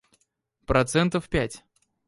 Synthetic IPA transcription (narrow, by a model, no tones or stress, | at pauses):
pɾʔɐt̪sɛnt̪əfpʲætʲ